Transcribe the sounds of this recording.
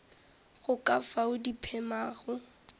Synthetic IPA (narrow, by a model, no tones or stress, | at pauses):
ɣʊkʼafaʊdipʰɛmaːɣʊ